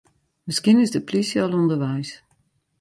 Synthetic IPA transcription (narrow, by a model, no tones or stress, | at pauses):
mɪskinɪzdəplisjɔlˠɔndəɹʋɛjs